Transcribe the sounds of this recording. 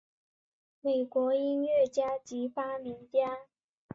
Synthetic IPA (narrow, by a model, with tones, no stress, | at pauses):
me˨˩ɪkwɔ˧˥i˥nɥɛ˥˩t͡ɕja˥t͡ɕi˧˥fa˥mi˧˥ŋt͡ɕja˥